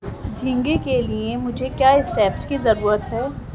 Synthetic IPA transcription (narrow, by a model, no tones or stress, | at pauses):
d͡ʒʱɪ̃ŋɡekeliemʊd͡ʒʱekjaːɪsʈɛːpskizɐɾuːɾət̪ɦɛː